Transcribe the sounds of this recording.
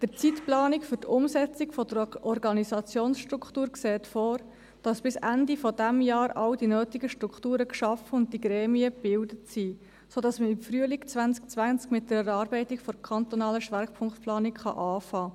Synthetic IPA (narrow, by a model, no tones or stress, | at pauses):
d̥əɾt͡sitplɑːnɪkfʏɾtʊmsɛt͡sɪkfɔd̥əɾʔɔɾɡɑnisɑt͡sjoːnsʃtɾuktuːɾkseːtfoːɾ | d̥ɑsb̥ɪsændifɔdæmjɑːɾɑwdinøːtiɡəʃtɾukχtuːɾəkʃɑfəʊnt̚diɡɾɛːmiəb̥ɪldətsiː | sodɑsməɪmfɾyəlikt͡sʋænskt͡sʋænskmɪt̚d̥əɾɛɾɑːɾbɛɪtɪkfɔɾkʰχɑntɔnɑːləʃʋɛɾkpʰʊŋkt̪plɑːnikχɑ̰ʔɑːfɑː